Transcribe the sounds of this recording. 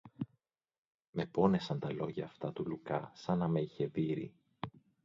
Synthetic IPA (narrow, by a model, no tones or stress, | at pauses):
me̞po̞ne̞sɐnt̪ɐlo̞ʝɐːft̪ɐt̪ulukɐsɐnɐmeiçe̞ðiɾḭ